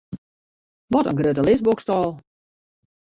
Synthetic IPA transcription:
ʋɔtə̰nɡrøtəlɪsbokstɔːlˠ

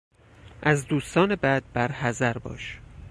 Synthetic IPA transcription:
ʔæzd̪uːst̪ɒːnebæd̪̚bæɾhæzæɾbɒ̰ːʃ

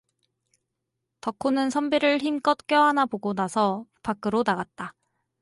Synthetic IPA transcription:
tʌkʰːonɯnsʰʌmbeɾɯɭçimk͈ʌt̚k͈jʌɦanaboɡonasʰʌpak͈ɯɾonaɡat̚t͈a

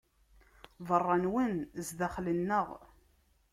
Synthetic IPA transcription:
vərˤːɑnwənzðæχlənːəʁ

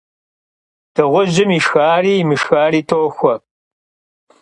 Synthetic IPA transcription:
d̥ɨʁʷʊʑɪmiʃxaːriːmɨʃxaːriːtʰoːxʷɔɐ

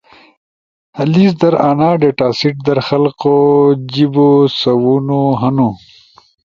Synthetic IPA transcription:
hɐliːsd̪ɐɾaːnaːɖeʈaːsiʈ̚d̪ɐɾxɐlqod͡ʑibosɐwunoɦɐnu

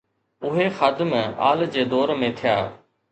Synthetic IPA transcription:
ʊɦexəd̪ma̰ːld͡ʑeːd̪ɔːɾmẽt̪ʰɪjaː

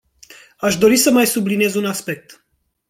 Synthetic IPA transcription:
aʃd̪o̞ɾisəmajsublinije̞zunaspe̞k̚t̪

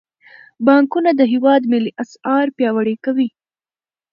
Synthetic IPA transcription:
bɑŋkunad̪əɦɪwɑd̪mɪliʔasɑɾpjɑwaɽekawi

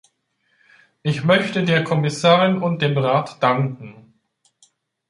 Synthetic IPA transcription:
ʔɪçmœçtədeːɐkʰɔmɪsaːʁɪnʊnt̚d̥eːmʁaːtd̥aŋkŋ̩

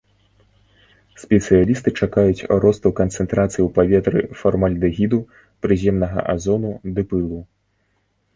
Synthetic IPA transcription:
sʲpʲɛt̪sɨjalʲist̪ɨt͡ʂakajut͡sʲɾɔst̪ɐwkɐnt̪sɛnt̪ɾat̪sɨjiwpavʲɛt̪ɾɨ̰fɔrmalʲd̪ɨɣʲid̪u | pɾɨzʲɛmnɐɣɐ̰ʔa̰zɔnud̪ɨpɨlˠu

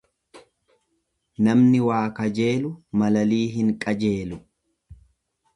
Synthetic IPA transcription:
nɐmnɪwaːkɐd͡ʒe̞ːlʊmɐlɐliːɦɪŋkʼɐd͡ʒe̞ːlʊ

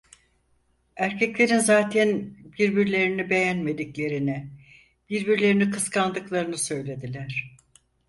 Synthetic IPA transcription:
æɾcʰɛclʲe̞ɾinzaːt̪ʰɛnbiɾbiɾlʲe̞ɾinibe̞jænme̞d̪iclʲe̞ɾini | b̥iɾbiɾlʲe̞ɾinikʰɯskʰand̪ɯklˠaɾɯnɯsø̞jlʲe̞d̪ilʲæɾ̥

